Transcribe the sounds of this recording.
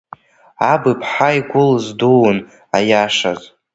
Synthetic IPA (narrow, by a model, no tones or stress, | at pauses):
abɨpʰħajɡʷʊlzduwn | ajaʂa̰z